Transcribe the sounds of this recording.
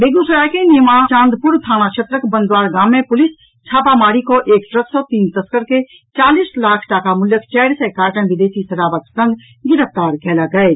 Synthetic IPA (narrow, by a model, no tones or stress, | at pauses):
beːɡusəɾaːkenɪjmat͡ʃãːnd̪pʊɾt̪ʰaːñaʃʰət̪ɾəkbənd̪waːɾɡaːmːẽpʊlɪs | t͡ʃʰaːpamaːɾikoʔeːkʈɾəksɔt̪iːnt̪əskəɾke | t͡ʃaːliːslaːkʰʈaːkamʊljəkt͡ʃɛːɽsɛkaːɾʈə̃nʋɪd̪eːʃisɐɾaːbat̪sə̃nd̪ | ɡɪɾəft̪aːɾkɛːlaɡəe